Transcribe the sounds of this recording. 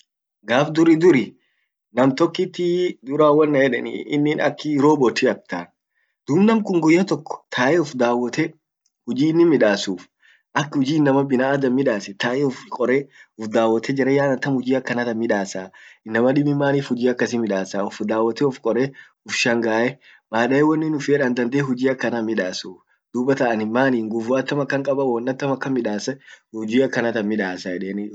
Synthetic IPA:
ɡaːfd̪ʊɾɪd̪ʊɾɪ | nɐmt̪ɔkːɪt̪ːɪd̪ʊɾaːwːɐnːɐjɛᶑɛnḭɪ̰nːɪnɐ̰kːɪɾoːbɔt̪iɐk̚t̪aːn | d̪̥uːbnɐmkʼʊŋɡʊjːɐt̪ɔkːɔ̥t̪ʰaːʔɛʊfd̪aːwːɐt̪ɛ | hʊd͡ʒiːɪnːɪmɪᶑaːsuːf | ʔɐkːhʊd͡ʒiːɪnːɐmɐbɪnaːd̪ɐmːɪᶑaːsɛt̪aːʔɛʊfkʼɔɾɛʊfd̪aːwːɐt̪ːɛd͡ʒɪɾɐjaːnɐt̪ːɐmhʊd͡ʒiːɐkːɐnɐt̪ɐmːɪᶑaːsaːɪnːɐmɐᶑɪbɪmːaːniːfhʊd͡ʒiːɐkːɐsɪmɪᶑaːsaːʊfd̪aːwːɐt̪ɛʊfkʼɔɾe | ʊfʃɐŋɡaːʔɛ | maːᶑɐɛwɔnːɪnʊfeᶑɐnd̪ɐnd̪eːɦʊd͡ʒiːɐkːɐnamɪᶑaːsuːf | d̪̥uːbɐt̪ɐʔɐnɪmːaːniːŋɡʊfuɐt̪ːɐmɐkːɐŋkʼɐbɐwɐnːɐt̪ːɐmɐkːɐmɪᶑaːsɐʊd͡ʒiːɐkːɐnɐt̪ɐmɪᶑaːsɐjɛᶑeːn

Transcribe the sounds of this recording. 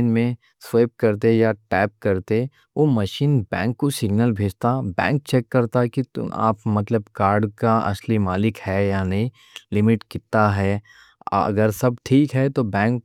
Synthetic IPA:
nmẽ | sweːp̚kɐɾt̪ejaʈɛːp̚kɐɾt̪e | ʋoːmɐʃiːnbɛ̰̃ːŋkːosɪɡnəlbʱeːd͡ʒt̪abɛ̰̃ːŋk̚t͡ʃɛːkːɐɾt̪akia̰ːpmɐt̪ləbkaːɾɖkaɐ̰slimaːlɪkhɛjanɐɦĩ | lɪmɪʈkɪt̪aɦɛː | ɐ̰ɡəɾsɐb̚ʈʰiːkɦɛt̪obɛ̃ːŋk

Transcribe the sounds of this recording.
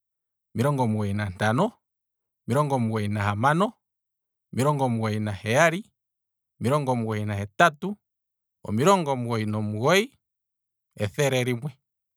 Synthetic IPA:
miɾɔŋɡɔmuɣɔinantanɔ | miɾɔŋɡɔmuɣɔinahamanɔ | miɾɔŋɡɔmuɔinahɛaɾi | miɾɔŋɡɔmuɣɔinahɛtatu | ɔ̰miɾɔŋɡɔmuɣɔinɔmuɣɔi | ɛθɛɾɛɾimwɛ

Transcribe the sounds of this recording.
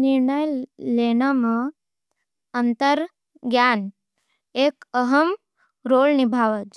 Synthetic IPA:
niɾɳəjleːnɐm | ɐnt̪əɾ | ɡjaːn | eːkəɦɐm | ɾoːlnibʱaːʋəd͡ʒ

